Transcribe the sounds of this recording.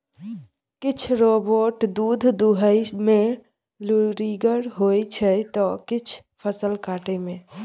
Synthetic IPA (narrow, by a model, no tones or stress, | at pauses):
kɪt͡ʃʰɾoboːʈd̪uːd̪ʱd̪uɦəimẽ | luɾiɡəɾɦojt͡ʃʰɛt̪ɔkɪt͡ʃʰ | pʰəsəlkaːʈemẽ